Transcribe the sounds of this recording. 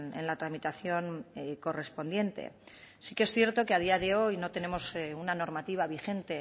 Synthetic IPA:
nḛnlat̪ɾamit̪aθjo̞nko̞re̞spo̞nd̪je̞nt̪e̞̰ | sikeesθje̞ɾt̪o̞keað̞iaðe̞o̞jno̞t̪e̞ne̞mo̞sunano̞ɾmat̪iβ̞aβixe̞nt̪e̞

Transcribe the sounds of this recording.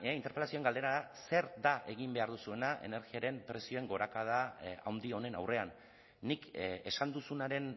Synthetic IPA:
int̪e̞ɾpe̞lasio̞eŋɡald̪e̞ɾaðase̞ɾd̪aʔeɣ̞imbe̞aɾðusue̞naʔḛne̞ɾɣiaɾe̞mpɾe̞sio̞e̞ŋɡo̞ɾakað̞aa̰wnd̪io̞ne̞na̰wre̞anː | ike̞sand̪usunaɾe̞n

